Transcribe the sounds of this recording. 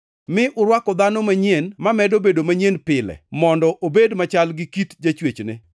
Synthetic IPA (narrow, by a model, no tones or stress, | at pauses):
mɪʔʊɾwakɔd̪anomaɲjenmamɛdobedomaɲjenpɪlɛ̰mɔndɔʔobedmat͡ʃalɡɪkitd͡ʒat͡ʃwet͡ʃnɪ̰